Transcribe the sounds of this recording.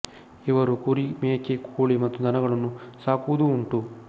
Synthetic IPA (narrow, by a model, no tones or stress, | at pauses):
iʋɐɾukuɾimeːkekoːɭimɐt̪ːud̪ʱɐnɐɡɐɭɐnːusaːkuʋud̪uːɳʈu